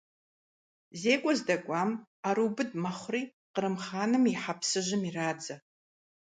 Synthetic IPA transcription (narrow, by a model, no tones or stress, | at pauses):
zeːkʷʼɔzdɐkʷʼaːm | aɾubɨdmɐχʷriː | qəɾɨmχaːnɨmiħapʰsɨʒɪmiraːd͡zɐ